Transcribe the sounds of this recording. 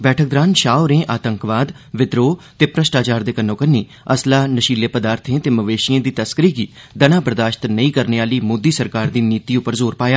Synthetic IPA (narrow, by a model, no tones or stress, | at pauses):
bɛːʈʰək̚d̪ɾaːnʃaːoɾẽːʔaːt̪əŋkʋaːd̪ | ʋɪd̪ɾoːt̪eːpɾəʃʈaːt͡ʃaːɾd̪eːkənõːkənːiː | əslaːnəʃiːleːpəd̪aːɾt̪ʰẽːt̪eːməʋeːʃijãːd̪iːt̪əskəɾiːɡiː | d̪ənãːbəɾd̪aːʃt̪nəĩːkəɾneːaːliːmoːd̪iːsəɾkaːɾd̪iːniːt̪iːʊpːəɾzoːɾpaːjaː